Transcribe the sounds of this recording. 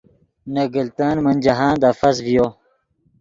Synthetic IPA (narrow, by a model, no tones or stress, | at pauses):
nɐɡəlt̪aːnmɐnʲd͡ʑɐɦãːnd̪afɐsvijoː